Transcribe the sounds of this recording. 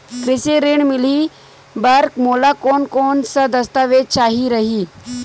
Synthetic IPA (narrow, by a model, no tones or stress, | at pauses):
kɾɪseɾeːɳmɪli | bɐɾkmoːlakoːnkoːnsad̪ɐst̪aʋeːd̪̚t͡ʃaːɦiɾɐɦiː